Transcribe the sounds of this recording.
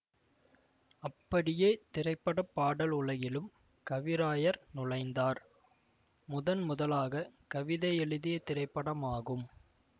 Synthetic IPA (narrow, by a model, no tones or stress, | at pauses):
ɐpːɐɽɪjeːt̪ɪɾɐɪpːɐɽɐpːaːɽɐlʊɭɐjɪlɯm | kɐʋɪɾaːjɐɾnʊɻɐɪnd̪aːɾ | mʊðɐnmʊðɐlaːɣɐkɐʋɪðɐɛɭɯðɪjɐt̪ɪɾɐɪpːɐɽɐmaːɣɯm